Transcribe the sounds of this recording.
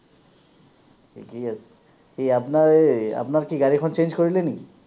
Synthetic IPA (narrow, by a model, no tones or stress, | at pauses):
ḭkias | kiapnaea̰pnaɾkiɡaɾikʰɔnt͡ɕend͡ʑkoɾileniki